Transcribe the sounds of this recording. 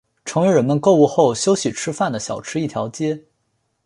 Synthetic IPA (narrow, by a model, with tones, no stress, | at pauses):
ʈ͡ʂʰɤ˧˥ŋwe˧˥ɻə˧˥nmə˧nko˥˧ʊu˥˧xo˥˩ʊɕjo˥ʊɕi˨˩ʈ͡ʂʰɻ̩˥fa˥˩nd̪ə˩ɕjɑ˨˩ʊʈ͡ʂʰɻ̩˥i˥˩t̪ʰjɑ˧˥ʊt͡ɕjɛ˥